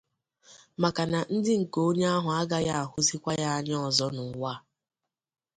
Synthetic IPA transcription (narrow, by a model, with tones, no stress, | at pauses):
ma˨ka˨na˨n̩˦dɪ˦ŋ̩˨ko˦ɲe˦a˦ɦʊ˨a˦ɡa˦ja˦a˨ɦʊ˦zi˦kʷa˦ja˦a˨ɲ˦ɔ˨zɔ˦nʊ˨˦wa˦˨